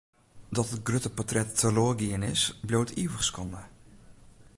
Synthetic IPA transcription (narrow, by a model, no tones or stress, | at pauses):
dɔtət̚ɡrøtəpɔtrɛtːəloːrɡiənɪsbloːtʰiwəχskʰɔnə